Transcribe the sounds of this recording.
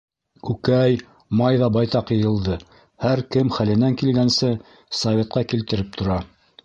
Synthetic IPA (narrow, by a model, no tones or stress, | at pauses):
kʉkæj | mɑjðɑbɑjt̪ɑqjɤ̆jɤ̆lˠd̪ɤ | hæɾkɘmχælɘ̆næŋkilɡænsɘ | sɐvʲet̪̚qɑkilt̪ɘ̆ɾɘp̚t̪ʰŏɾɑ